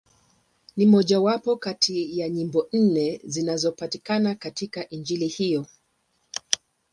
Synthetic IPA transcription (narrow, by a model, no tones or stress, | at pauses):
nimɔʄawapɔkatʰijaɲimbɔn̩nɛzinazɔpatikanakatikaʔind͡ʒilihijɔ